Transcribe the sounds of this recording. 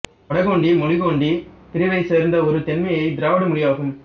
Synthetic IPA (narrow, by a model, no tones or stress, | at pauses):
ɐɽɐɣoːɳɖimɔɻɪɣoːɳɖip̪ɪɾɪʋɐɪsɛɾnd̪ɐɔɾɯt̪ɛnmɐjɐɪd̪ɪɾaːʋɐɽɐmʊɽɪjaːɣɯm